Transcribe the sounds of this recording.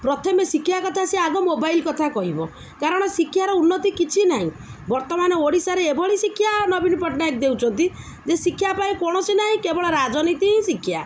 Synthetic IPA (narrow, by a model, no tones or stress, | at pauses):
pɾɔt̪ʰɔmesikʰjakɔt̪ʰaseaɡɔmobailkɔt̪ʰakɔɦibɔ | kaɾɔɽ̃ɔsikʰːjaɾɔunːɔt̪ikit͡ʃʰinaɦḭ̃ | bɔɾt̪ɔmanɔoɽisaɾeebɔɭisikʰːjanɔbinpɔʈnak̚d̪ewt͡ʃʰɔnt̪i | d͡ʒesikʰːjapaĩkɔɽ̃ɔsinaɦĩkebɔɭɔɾad͡ʒɔnit̪ĩsikʰja̰